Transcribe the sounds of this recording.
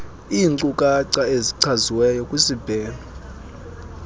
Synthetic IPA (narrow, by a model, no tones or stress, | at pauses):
iːnǀukʼaǀaeziǀʰaziwɛjɔkʼwisib̥ʱɛːnɔ